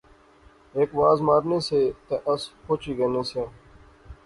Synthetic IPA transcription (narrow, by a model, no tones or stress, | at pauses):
eːkʋaːzmaːɾneːseːt̪eʔəskʰoːt͡ʃiːɡeːneːseː